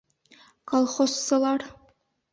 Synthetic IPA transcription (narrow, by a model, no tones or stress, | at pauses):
kolˠχosːɤlˠɑɾ